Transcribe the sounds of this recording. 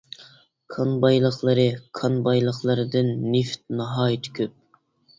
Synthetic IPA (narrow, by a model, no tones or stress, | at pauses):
kʰɑnbɑjlˠəχlˠɨɾɨqʰɑnbɑjlˠəχlˠəɾɨd̪ɨnːift̪̚nɑɦɑːjt̪ʰy̥kʲʰyp̚